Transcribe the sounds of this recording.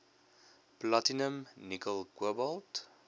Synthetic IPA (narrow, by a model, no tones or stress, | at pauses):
platinəmnikəlˠkəbɔlˠt